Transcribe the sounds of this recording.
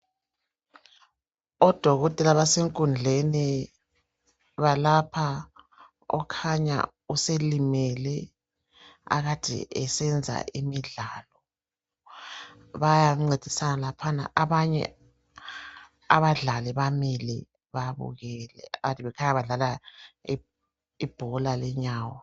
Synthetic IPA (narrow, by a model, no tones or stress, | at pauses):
ɔd̥ʱɔɣɔtʼɛlaβaseŋkʼund͡ɮʱeni | βalapʰa | ɔ̰kʰaɲa̰ | uselimɛlɛ | a̰ɣad̥ʱɛ̰ʔɛsɛnd͡zʱa̰ʔimiɮalɔ | βajaŋ͡ǀed̥ʱisanalapʰana̰ʔaβaɲɛ̰ | aβaɮalɛβamilḭ | βaβṵɣɛlɛ̰aɣatiβɛkʰaɲaβaɮalai | ib̥ʱɔlalɛɲaːwɔ